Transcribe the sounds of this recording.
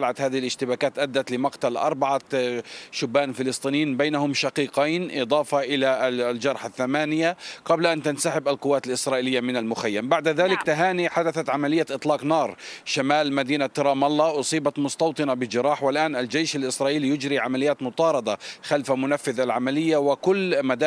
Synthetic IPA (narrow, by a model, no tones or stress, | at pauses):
laʕat̪haːðɪhɪlʔɪʃt̪ɪbaːkaːt̪ʔad̪ːat̪lɪmɑqt̪alʔɑ̰ɾˤbaʕa | ʃʊbːaːnfɪlɨsˤt̪ˤiːnjiːnbajnahʊmʃaqiːqijnʔɨd̪ˤɑːfɑʔɪlald͡ʒɑɾˤħaθːamaːnɪjaqɑblaʔant̪ansaħɪbalqʊwːaːt̪alʔɪsɾˤɑːʔɪlɪjːamɪnalmʊxajːambaʕd̪ðaːlɪkt̪aɦaːniħad̪aθat̪ʕamalɪjːaʔɨt̪ˤlɑːqnɑːɾˤʃamaːlmad̪iːnat̪ɪɾˤɑːmɑlːɑʔʊsˤiːbɑt̪mʊst̪ɑwt̪ˤɨnabɪd͡ʒɪɾˤɑːħwɪlʔaːnʔald͡ʒejʃalʔɪsɾˤɑːʔiːlijʊd͡ʒɾiʕamalɪjːaːt̪mʊt̪ˤɑːɾˤɑd̪ˤɑxalfamʊnafːɪðalʕamalɪjːawɪkʊlːmad̪a